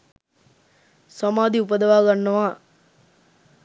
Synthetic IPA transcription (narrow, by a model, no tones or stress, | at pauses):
samaːd̪iupəd̪ɐʋaːɡɐnːɐʋaː